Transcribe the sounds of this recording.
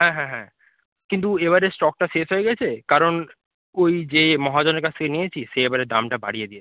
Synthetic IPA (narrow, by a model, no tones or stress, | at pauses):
ɦɛ̃ɦɛ̃ɦɛ̃ | kint̪ueβaɾesʈɔk̚ʈaʃeʃɦojeɡɛt͡ɕʰekaɾon | ojd͡ʑemɔɦad͡ʑɔneɾkat͡ɕʰt̪ʰekenijet͡ɕʰiʃeebaɾed̪amʈaba̰ɽijed̪ie